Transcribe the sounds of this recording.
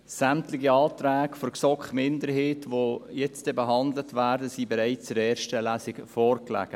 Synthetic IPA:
samtlɪɡiɑːtɾæːkfoɾksɔkχmɪndəɾɦeːtʋojɛt͡stdɛbɛɦɑnd̪lətʋæːɾdəsiːbɛɾaɪt͡st͡sʊɾɛːɾʃtəlæsɪkfɔːɾklæ̰ːɡ̥ə

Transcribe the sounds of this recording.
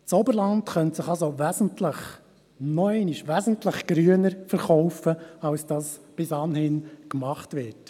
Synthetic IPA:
t͡sɔbəɾlɑntχœntsɪχɑlzoʋæzn̩tləχ | nɔɛɪniʃʋæzn̩tləχɡ̥ɾyənəɾfəɾχɔʊfəɑwsd̥ɑsb̥ɪsɑnhɪnkmɑχtʋɪt

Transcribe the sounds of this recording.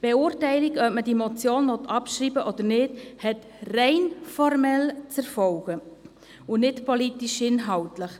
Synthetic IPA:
b̥eʊːɾtɛɪliɡœpmədimɔt͡sjoːnʋɔtʰɑpʃɾiːbəʔɔd̥̪ənɪdhɛt | rɛɪnfɔrmɛlt͡sɛɾfɔlɡ̥ə | ʊnɪtpɔlitiʃɪnɦɑltləχ

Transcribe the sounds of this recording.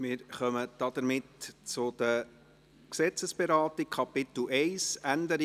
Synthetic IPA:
mɪːɾχœməd̥ɑd̥̪əɾmɪtt͡sʊd̪̥ə | ksɛt͡səsb̥ɛɾɑːtikʰɑpɪt̪l̩ʔɛɪsænd̪əɾ

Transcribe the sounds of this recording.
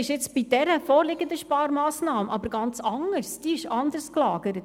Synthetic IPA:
ɪʃɪt͡sb̥id̥ɛɾəfoːɾlɪɡənd̪əʃpɑːɾmɑːsnɑːməʔɑbəɾɡɑnt͡sɑŋəɾsd̥iɪʃɑnd̪əɾsklɑːɡəɾət

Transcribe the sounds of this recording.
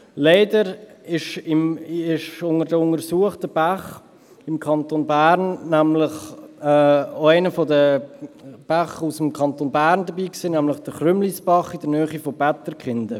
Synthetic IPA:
leɪdəɾɪʃɪmɪʃʊŋəɾdəʊŋəɾsuəχtəb̥aχ | ɪmkʰɑntonbæɾnːæmlɪχɛːoaɪnəfodə | b̥aχusəmkʰɑntoːnbæːɾndəbiːksiːnæmlɪχd̥əχrʏmlisb̥ɑχɪdənœːχifobɛtəɾkχɪnd̥̪ə

